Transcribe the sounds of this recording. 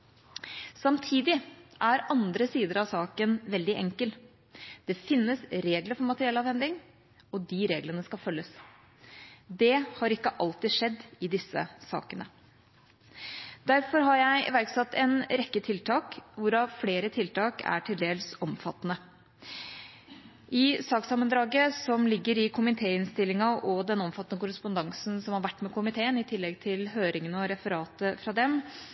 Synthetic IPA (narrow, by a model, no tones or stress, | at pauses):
sɑmt̪ʰiːd̪ɪʔæɾɑnd̪ɾəsiːd̪əɾɑʋsɑːkənʋɛld̪ɪʔɛŋkəl | d̪̥ɛfɪnːəsɾeːɡləɾfɔɾmɑt̪əɾɪɛlɑːʋhɛnd̪ɪŋ | ɔd̪iɾeːɡlənəskɑfœlːəs | d̪ɛhɑɾɪkːəʔɑlt̪ɪʂɛd̪ːɪd̪ɪsːə̰sɑ̰ːkənə̰ | d̪æɾfɔɾɦɑɾjæɪʋæɾksɑt̪ːɛnɾɛkːət̪ʰɪlt̪ʰɑːkʋʊɾɑfleːɾət̪ʰɪlt̪ɑːkʰæ̰ʈʰɪld̪eːlsɔmfɑt̪ːnə | ʔɪsɑːksɑmənd̪ɾɑːɡəsɔmlɪɡːəɾɪkʰʊmɪt̪ʰeːɪnst̪ɪlːɪŋɑʔɔd̪ɛnɔmfɑt̪ːənəkʊɾəspʊnd̪ɑŋsn̩sɔmhɑɾʋæʈːmɛkʰʊmɪt̪ʰeːənɪt̪ʰɪlːɛɡt̪ʰɪlɦøːɾɪŋənəɔɾɛfəɾɑːt̪əfɾɑd̪ɛm